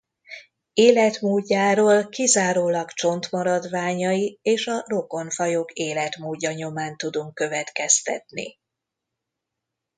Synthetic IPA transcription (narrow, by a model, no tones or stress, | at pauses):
eːlɛt̪muːɟːaːɾoːlkizaːɾoːlɒkt͡ʃo̞nt̪mɒɾɒd̪ʋaːɲɒieːʃɒro̞ko̞nfɒjo̞keːlɛt̪muːɟːɒɲo̞maːnt̪ud̪uŋkːø̞vɛt̪kɛst̪ɛ̰t̪nḭ